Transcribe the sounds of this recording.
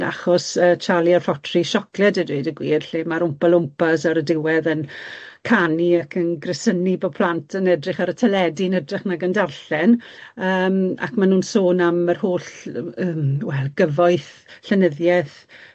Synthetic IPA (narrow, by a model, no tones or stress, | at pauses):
a̰χɔsəːt͡ʃʰalˠiarfɔtʰriʃɔklɛdədweɨdəɡwḭːrɬeːmaɾʊmpalˠʊmpasaɾədɪwɛðənkʰaniakʰənɡrɪsənibɔpʰl̥ˠantʰənɛdrɪχaɾətʰɛlɛdinɛdrɪχnaɡəndarɬɛnəːma̰kmanuːnsoːnamərhoːɬəːmwɛlˠɡ̥əvɔɨθɬɛnəðjɛθ